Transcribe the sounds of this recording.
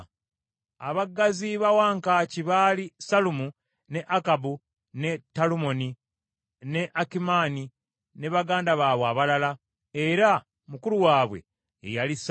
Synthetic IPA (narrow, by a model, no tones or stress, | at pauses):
a̰βaɡːaziβawaːŋkaciβaːlisalumu | ne̞ʔakabu | ne̞tːalumo̞ni | ne̞ʔakimaːni | ne̞βaɡaːndaβaβwaβalala | e̞ɾa | mukuɾuwaːβwe̞̰ː | jalis